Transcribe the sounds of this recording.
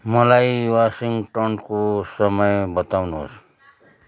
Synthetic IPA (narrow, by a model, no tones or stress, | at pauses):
mʌlajwasiŋʈʌnkosʌmʌjbʌt̪awnuɦo̰s